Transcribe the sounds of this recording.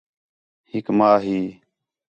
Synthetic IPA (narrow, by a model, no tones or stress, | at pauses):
hɪkmaːɦiː